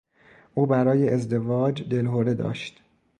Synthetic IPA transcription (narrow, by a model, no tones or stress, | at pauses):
ʔuːbæɾɒːje̞ʔezd̪e̞vɒːd͡ʒd̪e̞lɦoɾe̞d̪ɒ̰ːʃt̪